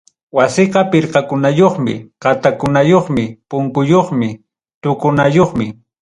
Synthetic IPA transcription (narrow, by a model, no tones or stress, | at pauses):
wasɪqɑpɪɾqɑkʊnajoχmɪ̰qɑt̪akʊnajoχmɪpʊŋkʊjoχmɪ | t̪ʊkʊnajoχmɪ